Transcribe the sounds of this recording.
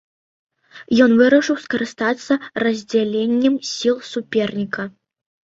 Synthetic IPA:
jɔnvɨɾɐʂɨwskɐɾɨst̪at̪sːɐrɐzʲd͡zʲalʲenʲːɛmsʲilˠsupʲɛrnʲikɐ

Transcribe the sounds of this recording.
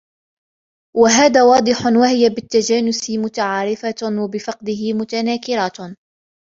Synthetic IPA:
waɦaːðaːwɑːd̪ˤɨħʊnwahɪjabɪt̪ːad͡ʒaːnʊsɪmʊt̪aʕaːɾɪfawabɪfɑqd̪ɪɦɪmʊt̪anaːkɪɾat

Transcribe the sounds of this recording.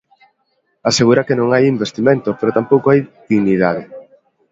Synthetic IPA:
aseɣuɾɐkenõŋajimbest̪imẽnt̪opeɾot̪ampowkoajð̥iɣniðaðɪ

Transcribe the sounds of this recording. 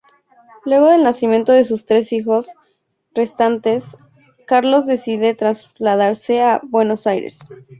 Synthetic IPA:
lwe̞ɣ̞o̞ðe̞lnasimjẽ̞nt̪o̞ðe̞s̬ust̪ɾe̞sixo̞s | re̞st̪ant̪e̞s | kaɾlo̞zðe̞siðe̞t̪ɾazlaðaɾse̞abwe̞no̞sajɾḛs

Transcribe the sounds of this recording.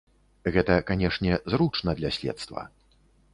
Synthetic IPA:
ɣɛt̪ɐkanʲɛʂnʲɛzɾut͡ʂnɐd̪lʲasʲlʲɛ̰t̪st̪vɐ̰

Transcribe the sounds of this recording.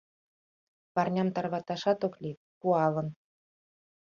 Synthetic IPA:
pɑrnʲɑmt̪ɑrβɑt̪ɑʃɑt̪oklʲi | puɑlə̆n

